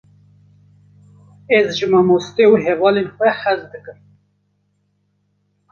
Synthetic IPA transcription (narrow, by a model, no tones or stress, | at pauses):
ezʒɨmɑmost̪euɦevɑːlenxʷɛhɛzd̪ɨkɨm